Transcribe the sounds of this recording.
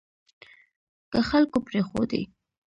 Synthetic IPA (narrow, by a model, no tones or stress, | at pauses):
kəxalkopɾexo̰d̪ḛ